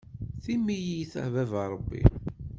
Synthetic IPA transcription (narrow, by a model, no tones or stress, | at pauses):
θimːijijθə̰ʕvævɑɾˤəbːḭ